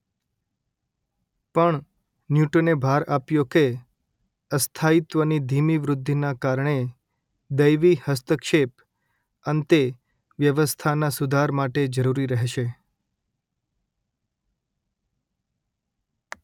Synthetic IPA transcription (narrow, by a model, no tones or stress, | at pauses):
pəɳ | njuʈonebʱaɾapjoke | əst̪ʰait̪ʋənid̪ʱimiʋɾʊd̪ʱːinakaɾɳe | d̪əjʋihəst̪əkʃep | ənt̪e | ʋjəʋəst̪ʰanasud̪ʱaɾmaʈed͡ʒəɾuɾiɾəɦʃe